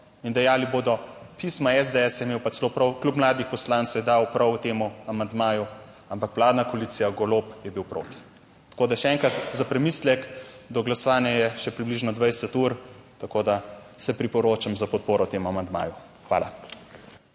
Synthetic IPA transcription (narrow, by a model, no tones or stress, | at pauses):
ind̪ɛjaːliboːd̪ɔ | pismaɛzd̪eɛsjɛmeːwpat͡ʃ̪lopɾɔwklʲupmlaːd̪ixpɔslant̪sowjɛd̪aːwpɾɐwut̪eːmuamand̪maːju | ampakʋlaːd̪nakoliːt̪sijaɡoloːpjɛbiwpɾo̰ːt̪i̥ | t̪ḁkoːd̪aʃɛɛːŋkɾat̪zapɾɛmiːslɛkd̪ɔɡlasɔʋaːnjajɛʃɛpɾibliʒnɔd̪ʋajsɛt̪uːɾt̪akoːd̪asɛpɾipɔɾoːt͡ʃamzapɔt̪̚poːɾɔwt̪eːmuamand̪ma̰ːju | xʋa̰ːla̰